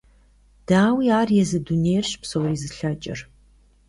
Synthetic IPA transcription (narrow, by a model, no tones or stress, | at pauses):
d̥aːwiaːrjɛzɨdunejrɕpsowriːzɨɬɐt͡ʃʼɪ̰r